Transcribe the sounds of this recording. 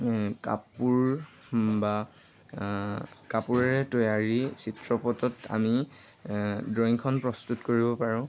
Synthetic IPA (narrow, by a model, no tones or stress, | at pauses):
ka̰puɹ | ba | kapuɹɛɹɛtojaɹisitɹɔpɔtɔta̰mi | dɹɔjŋkʰɔnpɹɔstutkoɹibɔpaɹʊ̃